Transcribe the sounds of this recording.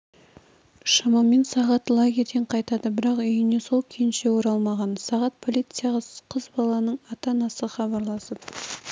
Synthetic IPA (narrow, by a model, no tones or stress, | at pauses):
ʃɑmɑmːe̞nsɑʁɑt̪lˠaɡʲejd̪eɴqʰɑjt̪ɑd̪əbɪɾɑqʏjɪne̞so̞lˠkʲʰenʃe̞woɾɑlˠmɑʁɑnsɑʁɑt̪̚pʰo̞lʲˠijt̪sɨjɑʁɑqʰəzbɑlˠɑnəɴɑt̪ɑnɑsəχɑbɑɾlˠɑsəp̚